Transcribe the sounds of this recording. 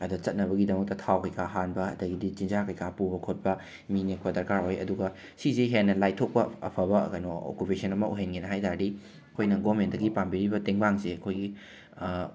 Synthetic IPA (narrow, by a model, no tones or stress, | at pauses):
ɐdɐt͡ʃɐt̚nɐbɐɡidɐmɐk̚tɐtʰawkɐjkʰaɦanbɐɐ̰dɐɡidit͡ʃinzakɐjkʰapubɐkʰot̚bɐ | minek̚pɐdɐɾkaɾojɐ̰duɡɐ | siziɦenːɐlajtʰok̚pɐɐ̰pʰɐbɐkɐjnoo̰kupesʰɐnɐmɐʔuɦenɡenɐɦajtaɾdi | ɐkʰojnɐɡoment̚dɐɡipambiɾibɐteŋbaŋseɐkʰojɡi